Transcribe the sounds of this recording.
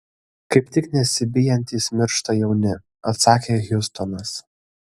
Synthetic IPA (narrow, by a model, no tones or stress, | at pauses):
kɐɪpt̪ʲɪknʲɛsʲɪbʲɪjɛnʲt̪ʲiːsmʲɪɾʃt̪ɐjɛʊnʲɪ | ɐt̪sɑːkʲeːɣʲʊst̪ɔnɐs